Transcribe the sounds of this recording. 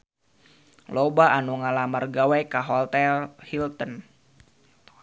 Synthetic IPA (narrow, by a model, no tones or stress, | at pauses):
lɔbaʔanuŋalamərɡawɛkaɦɔlt̪ɛlhilt̪ən